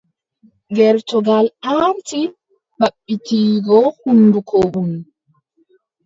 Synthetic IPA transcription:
ɡɛɾtɔɡalaɾti | baɓːitiːɡɔhunːdukʰoʔum

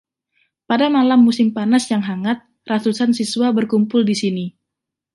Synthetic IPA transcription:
padamalamːusɪmpanasjaŋɦaŋat̪̚ | rat̪usansiswabərkumpʊldisini

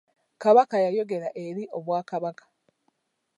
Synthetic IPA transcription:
kaβakajajo̞ɡe̞ɾaʔe̞ɾiʔo̞βwaːkaβakḁ

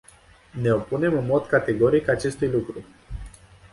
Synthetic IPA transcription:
ne̞o̞pune̞mɨnmo̞d̪kat̪e̞ɡo̞ɾikat͡ʃe̞st̪ujlukɾu

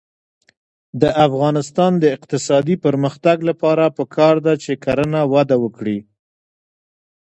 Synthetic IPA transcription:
d̪əʔafɣɑnɪst̪ɑnd̪əɪq̚t̪ɪsɑd̪ipəɾməxt̪aɡlapɑɾapəkʰɑɾd̪at͡ʃekaɾənawad̪awəkɽi

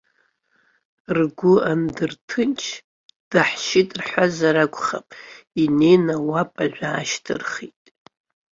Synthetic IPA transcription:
rɡʷʊandɨrtʰɨnt͡ʃʰ | d̥aħʃitʼrħʷazaɾakʷʼχapʼine̞jnawapʼaʒᶣʷaːʃtʰɨ̰rχitʼ

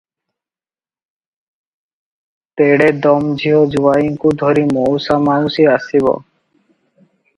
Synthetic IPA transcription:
t̪eɽed̪ɔmd͡ʑʱiɦɔd͡ʒuʋaiŋkud̪ʱɔɾimowsamanusiasiβɔ̰

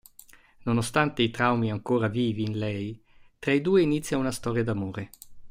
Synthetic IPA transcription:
nonost̪ant̪eit̪ɾawmiaŋkoːɾaviːviːnlɛj | t̪ɾaid̪uːeinit̪sːjaunast̪ɔːɾjad̪amoːɾe

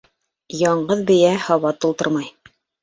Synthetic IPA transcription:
jɑɴɢɤðbɘ̆jæhɑβɑt̪ulˠt̪ɤɾmɑj

